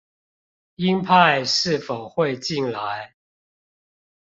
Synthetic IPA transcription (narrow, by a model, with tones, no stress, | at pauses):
i˦npʰa˥˨ɪʂɻ̩˥˨fo˨˩ʊxwe˥˨ɪt͡ɕi˥˨nla˨˦ɪ